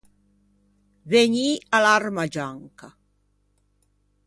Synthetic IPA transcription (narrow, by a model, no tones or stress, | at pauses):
veɲialarmad͡ʒaŋka